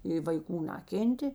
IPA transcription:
ɪ ʋɐɪˈkuː ˈnɑːkʲeːnʲtʲeː

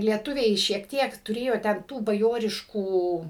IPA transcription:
lʲiɛˈtʊʋʲɛɪ ʃʲiɛk ˈtʲiɛk tʊˈrʲeːjoː tʲɛn ˈtuː bɐˈjoːrʲɪʃkuː

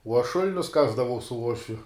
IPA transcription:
uɔ ɐʃ ˈʃʊlʲnʲʊs ˈkɑːzdɐʋɐʊ sʊ ˈuɔʃʲʋʲʊ

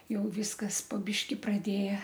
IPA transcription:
ˈjɛʊ ˈʋʲiːskɐs poː ˈbʲiːʃʲkʲɪ prɐˈdʲeːjɛ

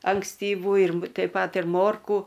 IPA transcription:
ɐŋksʲtʲiːˈʋuː ɪr m tʲɛɪp ˈpɐt ɪr ˈmoːrkuː

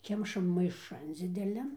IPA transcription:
ˈkʲɛmʃɐm mɐɪˈʃɐn d͡zʲɪdʲɛˈlʲɛn

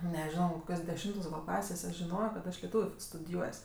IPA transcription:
nʲɛˈʒʲoːnoː koːˈkʲoːs dʲɛˈʃʲɪmtoːs ɡɐlˠ ˈklˠɑːsʲeːs ɐʃ ʒʲɪˈnoːjoː kɐt ˈɐʃ lʲɛˈtuːʋʲʊ f stʊdʲɪˈjuɔsʲ

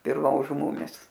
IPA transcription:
ɪr ˈʋɐ ʒʊ ˈmʊmʲɪs

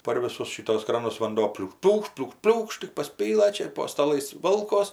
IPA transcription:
pɐr ˈʋʲɪsʊs ˈʃʲɪtuɔs ˈkrɑːnʊs ʋɐnˈdoː pʲlʲuːk ˈpʲlʲuːkʃt pʲlʲuːk ˈpʲlʲuːkʃt tʲɪk pɐˈsʲpʲiːlˠɘ ˈt͡ʃʲɛ ɪr poː stɐˈlˠɐɪs ˈʋoːlˠkoːs

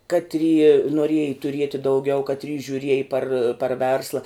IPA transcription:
ˈkɑːtʲrʲiː noːˈrʲiɛjɪ tʊˈrʲiɛtʲɪ dɐʊˈɡʲɛʊ ˈkɑːtʲrʲiː ʒʲʊˈrʲiɛjɪ pɐr pɐr ˈʋʲɛrslˠɐ

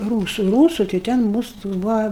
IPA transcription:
ˈruːsʊ ˈruːsʊ tɐɪ ˈtʲɛn ˈmuːsʊ ˈtoːks ˈbuːʋɐ

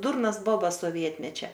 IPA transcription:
ˈdʊrnɐs ˈboːbɐs soːˈʋʲiɛtʲmʲɛt͡ʃʲɛ

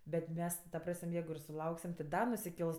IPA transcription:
ˈbʲɛt ˈmʲɛs tʲɪ tɐ ˈprɐsʲmʲ ˈjɛɪɡʊ ɪr sʊˈlˠɐʊksʲɪm tʲɪ dɐ nʊsʲɪˈkʲɛlˠs

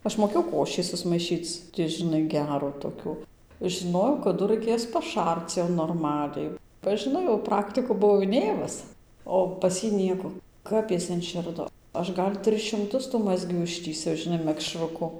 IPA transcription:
ˈɐʃ moːˈkʲeːjɛʊ ˈkoːʃʲiː sʊsmɐɪˈʃʲiːt͡s tʲɪ ʒʲɪnˈɐɪ ˈɡʲæːruː toːˈkʲuː ʒʲɪˈnoːjɛʊ kɐˈdʊ rɐɪˈkʲeːs pɐˈʃɐrt͡s jɛʊ noːrˈmɑːlʲɛɪ bɐ ʒʲɪˈnɐɪ jɛʊ ˈprɑːktʲɪkuː bʊˈʋɐʊ ɪˈnʲeːmʊs ˌoː pɐs ˈjiː ˈnʲiɛkoː ˈkɐp ɪs ɪnʲˈʃʲɪrdoː ˈɐʃ ˈɡɐlʲ ˈtʲrʲɪs ʃʲɪmˈtʊs tuː ˈmɑːzʲɡʲuː ˈɪʃʲtʲiːsʲɛʊ ʒʲɪˈnɐɪ mʲɛkˈʃrʊkʊ

